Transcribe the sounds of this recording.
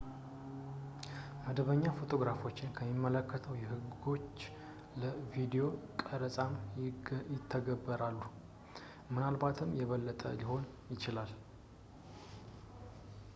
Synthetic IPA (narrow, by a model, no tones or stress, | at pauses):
məd̪əβəɲːafo̞t̪ʰo̞ɡɾafo̞t͡ʃːɪnkʰəmːimːələkːət̪ʰəwjɛhɨɡo̞t͡ʃː | ləvid̪ijo̞kʼəɾəsʼam | jɪt̪ʰːəɡəbːəɾalːu | mɨnalbat̪ʰɨmjɛβəlːət̪ʼə̰lɪho̞n | jɪt͡ʃɪlal